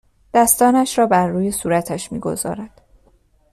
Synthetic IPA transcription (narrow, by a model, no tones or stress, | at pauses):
d̪̥æst̪ɒːnæʃɾɒːbæɾːuːje̞suːɾæt̪ʰæʃmiːɡo̞̰zɒ̰ːɾæd̪̥